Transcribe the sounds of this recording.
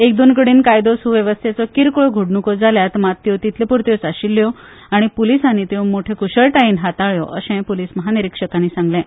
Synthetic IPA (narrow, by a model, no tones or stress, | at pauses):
ek̚d̪onkəɽiːnkajd̪osuʋjeʋəst̪ʰjet͡sɔkiɾkɭoɡʱoɽɳukɔd͡zaljat̪mat̪ːjɔt̪it̪ʰlepuɾt̪jɔt͡saɕilːjɔ | aɽ̃ipolisanːiːt̪eũmoʈʰekuɕəɭʈaiːnɦat̪aɭjɔ̰ʔəɕɛ̃poliːsməɦaniɾikʂəkaniːsãŋɡlɛ̃